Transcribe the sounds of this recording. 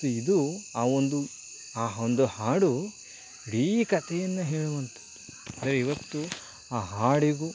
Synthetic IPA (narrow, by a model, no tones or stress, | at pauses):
uid̪uaːond̪u | aːɦond̪uhaːɽu | iɽiːkɐt̪ʰɛjɐnːɐɦeːɭuʋɐnt̪u̥ | ɐnd̪ɾeiʋɐt̪ːu | aːɦaːɽiɡu